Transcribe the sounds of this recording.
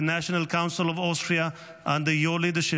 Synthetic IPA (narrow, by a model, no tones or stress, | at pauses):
næʃənəlkʰãʊ̃nsɪlɔvɔstɹia | ʔə̃nd̪əjoːlid̪əʃɪ